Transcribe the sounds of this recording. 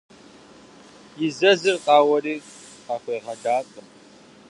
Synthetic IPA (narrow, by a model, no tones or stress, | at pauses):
jɪzɐzɨrqʼɑːwɐriː | qɑxʷeːʁɐdaːqʼəm